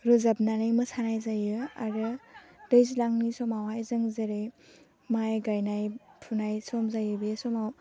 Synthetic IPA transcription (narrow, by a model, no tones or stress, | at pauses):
ɾɔzab̚nanɯjmɯsʰanajzajɯa̰ɾɯd̥ɯjzilaŋnisɔmawajzɯŋzeɾɯj | majɡajnajpʰunajsɔmzajɯbiesɔmaw